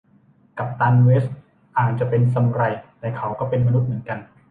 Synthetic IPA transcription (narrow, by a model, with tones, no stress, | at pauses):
ka˨˩p̚t̪aː˧nweː˦˥st̪ | ʔaː˨˩k̪̚t͡ɕa˨˩pe˧nsa˧m˧ɾa˧˩jt̪ɛː˨˩kʰa˨˩˦wkɔː˥˩pe˧nma˧nu˦˥t̪̚mɯ˩˦ənka˧n